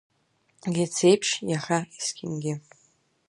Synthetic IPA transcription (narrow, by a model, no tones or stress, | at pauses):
lʲet͡sʰejpʰʂjaχaiskʲʰʼɪnɡʲɪ